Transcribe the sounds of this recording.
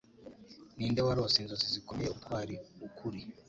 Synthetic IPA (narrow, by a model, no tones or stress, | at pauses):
nindɛwaɾɔsinzɔsizikɔmiɛupaɾiukʰuɾi